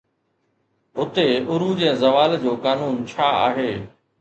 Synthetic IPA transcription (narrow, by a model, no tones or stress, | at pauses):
ɦʊt̪eʊɾud͡ʑẽːzɐʋaːld͡ʑoːkaːnuːnt͡ɕʰaːa̰ːɦeː